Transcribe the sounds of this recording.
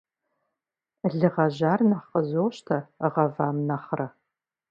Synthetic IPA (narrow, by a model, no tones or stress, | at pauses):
ɮɨʁɐʒaːrnɐχqʼəzoːwɕtʰɐʁɐvaːmnɐχrɐ